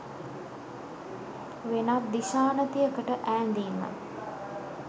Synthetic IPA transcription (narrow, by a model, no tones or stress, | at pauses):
ʋenatd̪iʃaːnət̪ijəkəʈəʔæːnd̪iːnːə̰